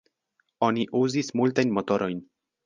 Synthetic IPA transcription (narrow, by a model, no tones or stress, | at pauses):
o̞niʔuzismultajnmo̞to̞ɾʔo̞jn